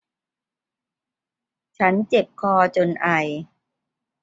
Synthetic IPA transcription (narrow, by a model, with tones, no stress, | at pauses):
t͡ɕʰa˦˥nt͡ɕe˨˩p̚kʰɔː˧t͡ɕo˧nʔa˨˩j